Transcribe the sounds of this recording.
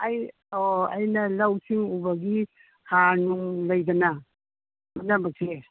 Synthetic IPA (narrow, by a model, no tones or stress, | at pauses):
aj | oa̰jnɐlawsiŋubɐɡi | hanuŋlɐjdɐnɐ | manɐbɐk̚se